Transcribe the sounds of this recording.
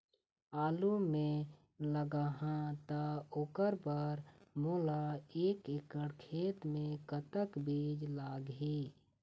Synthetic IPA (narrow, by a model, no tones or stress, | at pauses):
aːlumẽ | ləɡaɦãt̪aoːkəɾbaːɾmoːlaeːkɪkəɽkʰeːt̪mẽkət̪əkbiːd͡ʒlaːɡɦiː